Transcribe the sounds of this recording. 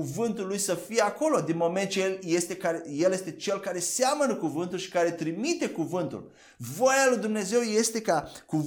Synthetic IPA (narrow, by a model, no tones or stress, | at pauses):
uvɨnt̪ulːujsəfije̞ako̞lo̞d̪inmo̞me̞nt̪̚t͡ʃeeljest̪e̞kaɾeje̞lje̞st̪e̞t͡ʃe̞lkaɾe̞seamənəkuvɨnt̪ulʃi̥kaɾe̞t̪ɾimit̪e̞kuvɨnt̪ṵl | vo̞jalujd̪umne̞ze̞wje̞st̪e̞kaku